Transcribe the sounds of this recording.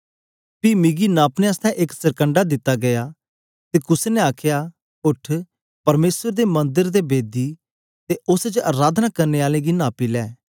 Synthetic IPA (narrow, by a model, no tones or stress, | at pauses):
pimɪɡinãːpnẽəst̪ʰɛ̃ʔɪksɐɾkə̃ɳɖad̪ɪt̪ːaɡɐjaː | t̪eːkʊseneaːkʰja | ʊʈʰ | pɐɾmeːsəɾd̪emɐ̃nd̪əɾd̪ebeːd̪i | t̪eʊsd͡ʒaɾaːd̪ʱnakɐɾneːaːlẽɡinãːpilɛː